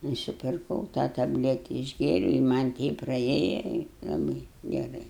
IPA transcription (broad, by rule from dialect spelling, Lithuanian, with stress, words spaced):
nʊsʲɪpʲɪrˈkɐʊ tɑː tɐbʲˈlʲæːtʲɛ ɪʒʲˈɡʲeːrʲɛʊ ɪ mɐnʲ ˈtʲɛɪp prɐˈeːjɛ ɪ lˠɐˈbɨɪ ɡʲɛˈrɐɪ